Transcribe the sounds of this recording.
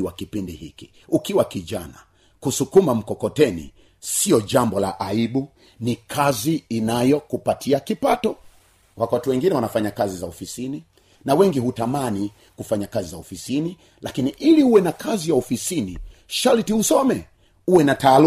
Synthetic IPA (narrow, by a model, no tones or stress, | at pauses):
iwakipindihḭki | ukiwakiʄa̰na̰ | kusukumam̩kɔkɔtɛnḭ | siɔʄambɔlaʔaiɓu | nikʰaziːnajɔkupatʰiakipatɔ | wakatiwɛŋɡinɛwanafaɲakazizaɔfisini | nawɛŋɡihutamani | kufaɲakazizaɔfisini | lakiniʔiliuwɛnakʰazijaɔfisiniʃalitihusɔmɛ | uwɛnataːl